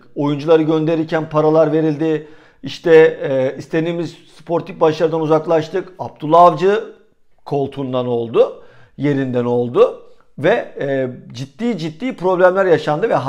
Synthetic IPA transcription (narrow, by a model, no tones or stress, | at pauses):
o̞jund͡ʒulˠaɾɯɟø̞nd̪e̞ɾiɾcʰænpʰaɾalˠaɾve̞ɾilʲd̪ɪ | iʃt̪ʰɛist̪ʰe̞d̪iːmizspʰo̞ɾt̪ʰik̚baʃaɾɯd̪anuzaklˠaʃt̪ʰɯkap̚t̪ʰulˠavd͡ʒɯ | kʰo̞lˠt̪ʰund̪ano̞lˠd̪ʊ | je̞ɾind̪æno̞lˠd̪ʊ | vɛ | d͡ʒit̪ːiːd͡ʒit̪ːiːpɾo̞blʲæmlʲæɾjaʃand̪ɯvɛɦ